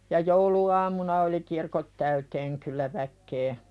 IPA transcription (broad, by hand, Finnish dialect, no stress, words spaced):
jɑ jouluɑːmunɑ oli kirkot tæyteːŋ kylːæ ʋækːeː